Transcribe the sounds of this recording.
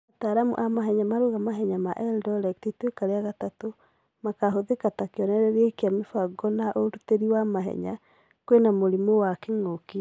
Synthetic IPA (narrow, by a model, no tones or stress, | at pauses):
ataɾamṵʔamaɦɛɲamaɾuɣamaɦɛɲamaʔɛldɔlɛktitwekaɾeaɣatato | makaɦoðekatakeɔnɛɾɛɾekeamefaɡɔnaʔoɾuteɾiwamaɦɛ̰ɲa̰ | kwenamoɾimowakeŋoki